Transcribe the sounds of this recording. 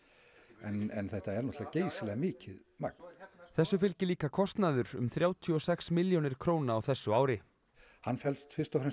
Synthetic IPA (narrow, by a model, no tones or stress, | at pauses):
ɛnɛnθɛht̪aɛɾnɔt̪lðaceːjsɪlɛɣamɪːcʰɪð | ma̰k̚n̥θɛsːʏfɪlcɪliːkakʰɔst̪naðʏɾʏ̰mθɾjaːwt̪ʰiɔsɛksmɪljonɪɾ̥kʰɾoːwnaawθɛsːʏaːwɾɪ | hanːfɛlst̪fɪɾ̥st̪ɔfɾɛn